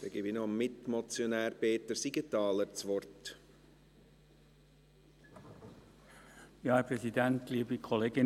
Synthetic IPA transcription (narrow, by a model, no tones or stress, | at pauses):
d̥̪ɛɡ̥ɪːbinɔmmɪt̪mɔt͡sjonæːɾpeːt̪əɾsiɡət̪ɑːləɾt͡sʋɔrt | jɑːɛpʁɛsidænt̪liːbikʰoleːɡ̥ɪ